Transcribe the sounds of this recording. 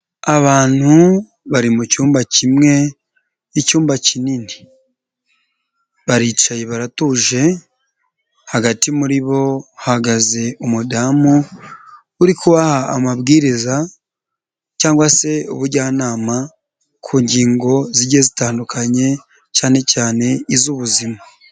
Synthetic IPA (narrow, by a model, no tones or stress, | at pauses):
aβaːn̥hu | βaɾimucuːmbacimŋe̞ | icuːmbacinini | βaɾiːt͡ʃajeβaɾatuːʒe̞ | haɡatimuɾiβo̞haɡaze̞ʔumudamuː | ɾikuβahaːmabɡiːɾiza | caːŋɡwase̞uβuɾɟaːnaːma | kʰuːɲɟiːŋɡo̞ziɾɟezitaːndukʰaɲe̞ | caːne̞caːne̞izuβuzima